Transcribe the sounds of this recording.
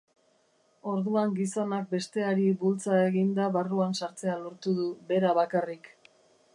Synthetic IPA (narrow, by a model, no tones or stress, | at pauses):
o̞ɾðuaŋɡiso̞nak̚be̞st̪e̞aɾibult͡sae̞ɣind̪aβaruansaɾt͡se̞aloɾt̪uðuβe̞ɾaβakarik